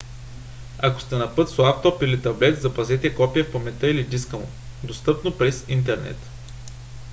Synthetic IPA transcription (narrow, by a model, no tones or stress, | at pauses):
ako̥st̪ɛnɐpɤt̪slˠapt̪ɔpilit̪ɐblɛt̪zɐpɐzɛt̪ɛkɔpijɐfpɐmɛt̪ɤilid̪iskəlˠo̰ | d̪ost̪ɤpnopɾɛzint̪̬ɛɾnɛ̰t̪